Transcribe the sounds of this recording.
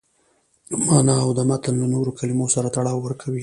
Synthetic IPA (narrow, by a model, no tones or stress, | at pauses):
mɑnɑːwd̪əmat̪anlanoɾokʰalimosaɾat̪aɽɑwːəɾkʰawi